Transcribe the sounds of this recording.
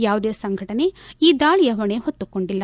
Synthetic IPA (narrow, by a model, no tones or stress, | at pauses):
jaːʋud̪eːsɐŋɡʱɐʈɐne̞iːd̪aːɭijɐɦɐɳeɦot̪ːukoɳɖilːɐ